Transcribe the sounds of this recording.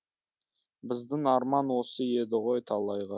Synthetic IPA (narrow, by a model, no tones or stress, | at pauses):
bɪzd̪ɪŋɑɾmɑnwo̞səje̞d̪ɪʁo̞jt̪ʰɑlˠɑjʁɑ